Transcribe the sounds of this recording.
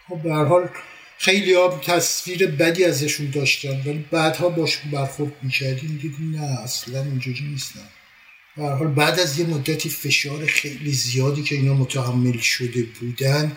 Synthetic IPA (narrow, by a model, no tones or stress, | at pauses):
xobbehæɾɦɒːl | xe̞jliːjɒt̪ʰæsviːɾe̞bæd̪iːæzæʃund̪ɒːʃt̪ænvæliːbæːd̪hɒːbɒːʃunbæɾxoɾd̪̚miːcʰæɾd̪imd̪id̪inææslænind͡ʒuɾiːniːst̪æm | b̥ehæɾɦɒːlbæːd̪æzje̞mod̪ːæt̪ʰiːfe̞ʃɒːɾexe̞jliːzijɒːd̪iːcʰe̞iːnɒːmot̪ʰæɦæmːe̞lʃo̞d̪e̞buːd̪æn